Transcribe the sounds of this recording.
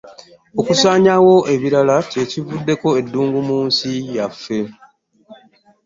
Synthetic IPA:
o̞kusaːɲawo̞ʔe̞βiɾalace̞civudːe̞ko̞e̞dːuːŋɡumuːnsijafːe̞

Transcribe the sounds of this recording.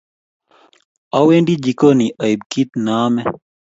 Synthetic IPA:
aweɳɖid͡ʒikoniʔaib̚kit̪naːmɛ

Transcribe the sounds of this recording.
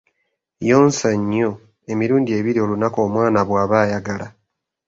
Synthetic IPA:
joːnsaɲːo̞ | e̞miɾuːndie̞ːβiɾio̞lunako̞ːmwaːnaβwaːβaːjaɡala

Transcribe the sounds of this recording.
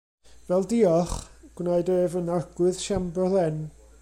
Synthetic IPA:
vɛlˠdiɔχɡ̥wnaɨdɔɛvənarɡ̥wɨð̥ʃambɔlɛn

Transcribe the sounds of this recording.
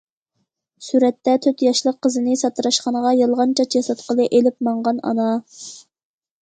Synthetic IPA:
syɾɛt̪ːɛt̪ʰøt̪jɑʃlˠəqʰːəzɨnɨsɑt̪ɨɾɑʃqɑnəʁɑjɑlˠʁɑnt͡ʃʰɑt͡ʃjɑsɑt̪̚qʰəlˠɨʔelɪp̚mɑɴʁɑnɑ̰nɑ

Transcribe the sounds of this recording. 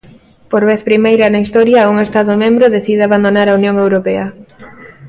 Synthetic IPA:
poɾβeθpɾimejɾɐnaist̪ɔɾjɐuŋest̪aðomẽmbɾoðeθiðeaβand̪onaɾaunjoŋewɾopɛɐ

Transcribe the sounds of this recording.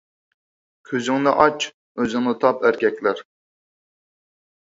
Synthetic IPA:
kʲʰøzyŋnɨʔɑt͡ʃ | øzɪŋnɨt̪ʰɑpæɾkʲʰɛkʲlæɾ

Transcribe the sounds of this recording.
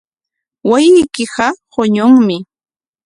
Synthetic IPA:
wajɪjkɪɢɑhoɲʊŋmɪ

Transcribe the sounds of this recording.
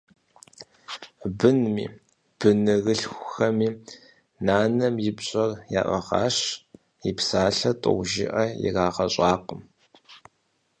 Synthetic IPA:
bɨnmḭː | b̥ɨnɨɣɨɬxʷʊxɐmiː | naːnɐmjɪpɕʼɐrja̰ːʔʷɐʁɑ̰ːɕ | ipsaːɬɐtʼʊ̰wʷʒɪ̰ʔɐjɪ̰raːʁɐɕʼɑːqəm

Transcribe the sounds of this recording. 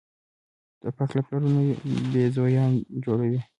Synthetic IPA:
d̪̥əpaklaplaɾunobezojɑnd͡ʒoɽawi

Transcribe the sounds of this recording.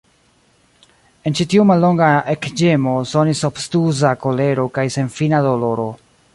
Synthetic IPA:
e̞nt͡ʃitiumalːo̞ŋɡaekd͡ʒe̞mo̞so̞nisopstuzako̞le̞ɾo̞kajse̞nfinado̞lo̞ɾo̞

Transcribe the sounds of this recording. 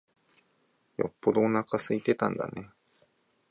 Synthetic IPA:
jo̞̰pːo̞d̪oːnakasɨit̪e̞t̪ã̰nd̪a̰ne̞

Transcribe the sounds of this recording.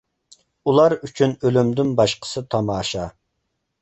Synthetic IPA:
ulˠɑɾyt͡ʃʰynølymd̪ɪnbɑʃqə̥sɨt̪ʰɑmɑːʃɑ

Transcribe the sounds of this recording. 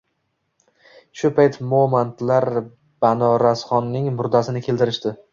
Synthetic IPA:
ʃʊpʰajt̪momant̪laɾ | b̥anɒɾasχɒnːɪŋmʊɾd̪asɪnɪkʲʰe̞lt̪ɪɾɪʃt̪ɪ

